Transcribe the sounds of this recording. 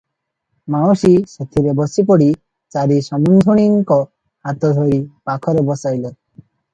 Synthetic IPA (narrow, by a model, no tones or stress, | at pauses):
mawsisɔt̪ʰiɾebɔsip̬ɔɽi | t͡saɾisɔmund̪ʱuɽ̃iŋkɔ | hat̪ɔd̪ʱɔɾipakʰɔɾebɔsajle